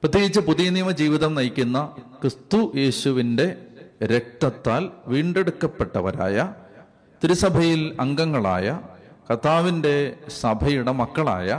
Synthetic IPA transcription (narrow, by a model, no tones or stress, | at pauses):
prɐt̪ʰːjeɡit͡ɕːɨpuðijɐniːmɐd͡ʑiːʋiðɐmnɐjkʲːunːɐkrɨst̪uje̞ːɕuʋinde̞ɾek̚t̪ɐt̪ːaːlʋiːɳɖe̞ɽukːɐpːe̞ʈːɐʋɐ̰ɾa̰ːjɐ | t̪iɾusɐbʱɐjilɐŋɡɐŋːɐɭa̰ːjɐkɐt̪ʰːaːʋinde̞sɐbʱɐjuɽemɐkːɐɭa̰ːjɐ